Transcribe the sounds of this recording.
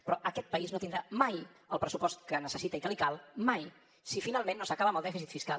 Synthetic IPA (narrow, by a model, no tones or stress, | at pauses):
pɾɔʔəkɛt̪̚pəiznot̪ind̪ɾamajəlˠpɾəsupɔst̪kənəsəsit̪əikəlikalˠmaj | sifinalˠmẽnːosəkaβəməlˠd̪ɛfisit̪fiskal